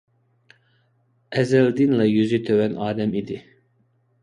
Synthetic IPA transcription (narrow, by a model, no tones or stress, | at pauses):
ɛzɛld̪ɪnlɛjyzyt̪ʰøwɛnɑːd̪ɛmid̪ɪ